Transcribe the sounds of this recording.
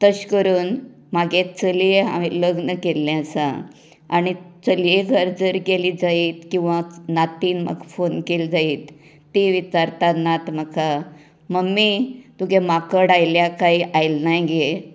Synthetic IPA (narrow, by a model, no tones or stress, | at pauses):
t̪əɕkəɾuːn | maɡet͡səleɦa̰ʋiləɡnəkelːjãt͡sa̰ | aɽ̃it͡səljeɡʱəɾd͡zəɾɡelid͡zaiːt̪kĩw̃ʋãnat̪iːnmə̰kfonkeld͡zaiːt̪ː | iʋit̪aɾt̪anːat̪məkʰa | məɡmːit̪uɡemakəɽajljakaiʔajlnajɡe